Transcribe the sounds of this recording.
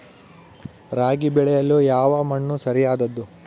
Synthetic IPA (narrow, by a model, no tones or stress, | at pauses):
ɾaːɡibɛɭɛjɐlːujaːʋɐmɐɳːusɐɾijaːd̪ɐd̪ːu